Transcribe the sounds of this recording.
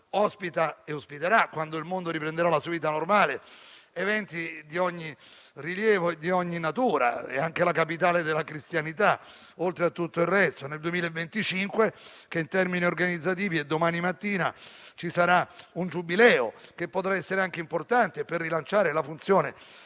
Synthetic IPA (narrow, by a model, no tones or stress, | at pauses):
ɔspit̪aeospit̪eɾakːwand̪oilmond̪oɾipɾend̪eɾalasuviːt̪anormaːleevɛnt̪id̪iɔɲːi | riljɛːvoed̪iɔɲːinat̪uːɾa̰ɛ̰aŋkelakapit̪aːled̪elːakɾist̪janit̪a | olt̪ɾeat̪ːut̪ːoirːɛst̪oneld̪uemiːlaevːent̪it͡ʃiŋkwe | keint̪ɛrminiorɡanid̪zːat̪̬iːvied̪ːomaːnimat̪ːiːnat͡ʃisaɾaund͡ʒubilɛːo̰k̟epːot̪ɾaɛsːeɾeaŋk̟eimport̪ant̪eperːilant͡ʃaːɾelafunt̪sjoːne